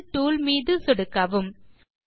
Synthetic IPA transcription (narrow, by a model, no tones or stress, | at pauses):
ʈːuːlmiːðɯsɔɽɯkːɐʋɯm